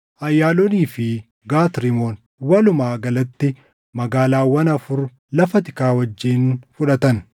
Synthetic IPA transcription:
ʔɐjːaːlɔniːfɪ | ɡaːt̪ɾɪmoːn | wɐlʊmaːɡɐlɐt̪ːɪ | mɐɡaːlaːwɐnɐfʊɾ | lɐfɐt̪ɪkaːwɐd͡ʒːiːnfʊᶑɐt̪ɐn

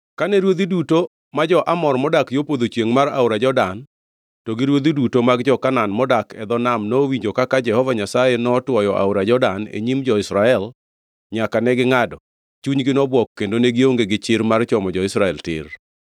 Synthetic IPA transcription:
kanɛɾwod̪iduto | mad͡ʒɔʔamɔrmɔdakjopod̪ot͡ʃjeŋmaɾa̰ʊɾad͡ʒɔdan | tɔɡɪɾwod̪idutomaɡd͡ʒɔkananmɔdakɛd̪ɔnamnowiɲd͡ʒokakad͡ʒɛhɔvaɲasajenɔtwɔjɔʔa̰ʊɾad͡ʒɔdanḛɲimd͡ʒɔɪsɾaɛl | ɲakanɛɡɪŋadɔ | t͡ʃuɲɡɪnɔbwɔkːendoneɡɪoŋɡeɡɪt͡ʃɪɾmart͡ʃɔmɔd͡ʒɔɪsɾaɛltɪ̰r

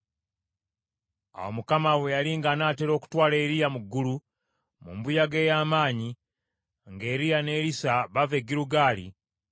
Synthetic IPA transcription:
a̰wo̰mukamawe̞jaliŋɡanaːte̞ɾo̞ːku̥twaːle̞ːɾijamuɡːulu | mṵmbujaɡe̞ːjaːmaːɲi | ŋɡe̞ːɾijane̞ːɾisaβave̞ɡiɾuɡaːlḭ

